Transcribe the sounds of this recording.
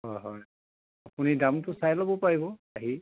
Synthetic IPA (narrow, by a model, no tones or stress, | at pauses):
ɦɔjɦɔj | apunidamtʊsajlɔbɔpaɹibɔaɦi